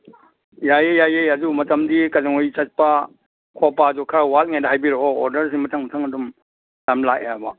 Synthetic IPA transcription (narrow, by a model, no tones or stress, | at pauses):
jajejajejɐdumɐtɐmdikɐzaŋojt͡ʃɐt̚pɐ | kʰɔpːazukʰɾawalŋajdaɦajbiɾoɔoɾdɐɾsiŋmɐtʰɐŋmɐtʰɐŋɐdum | lamlak̚ejabɐ